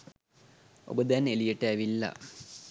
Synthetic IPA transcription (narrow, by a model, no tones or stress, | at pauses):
o̰bəd̪ænelijeʈːəæʋilːɐ̰